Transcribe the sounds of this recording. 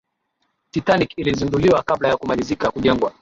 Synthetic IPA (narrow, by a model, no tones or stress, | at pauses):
titanikilizinduliwakablajakumalizikakuʄɛŋɡwa